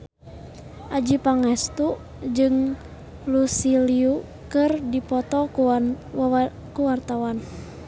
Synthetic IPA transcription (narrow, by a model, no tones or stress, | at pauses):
ʔad͡ʒipaŋɛst̪u | d͡ʒɨŋ | lusiliu | kɨrdipɔt̪ɔ | kuwart̪awan